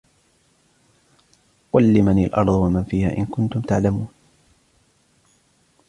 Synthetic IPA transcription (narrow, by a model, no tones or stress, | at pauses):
walːɪmania̰lʔɑɾˤðˤwamanfiːha̰ːʔɪnkʊnt̪ʊmt̪aʕlamuːn